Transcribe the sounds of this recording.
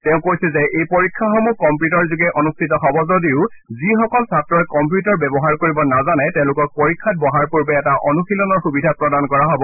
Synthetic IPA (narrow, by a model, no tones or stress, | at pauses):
tɛʊ̃kojsɛzɛʔejpoɹikʰːaxɔmukɔmpjutɔɹzuɡɛʔɔnustʰitɔxɔbɔzodiʊ | zixɔkɔlsatɹɔɛkɔmpjutaɹbɛbɔɦaɹkoɹibɔnazanɛtɛʊ̃lʊkɔk̚poɹikʰːat̚bɔɦaɹpuɹbɛːtaʔɔnuxilɔnɔɹxubidʱapɹɔdankɔɹaɦɔbɔ